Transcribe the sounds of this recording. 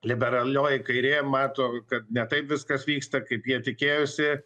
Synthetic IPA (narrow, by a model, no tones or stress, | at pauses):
lʲɪbʲɛɾɐlʲoːjɪkɐɪɾʲeːmɑːt̪oːkɐt̪̚nʲɛt̪ɐɪpʋʲɪskɐsʋʲiːkst̪ɐkɐɪpjiɛt̪ʲɪkʲeːjʊsʲɪ